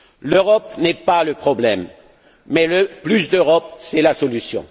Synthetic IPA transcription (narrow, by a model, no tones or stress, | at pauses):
løʁɔpnɛpaləpχɔblɛmː | ɛləplys̬d̪øʁɔp̚sɛlasɔlysjɔ̰̃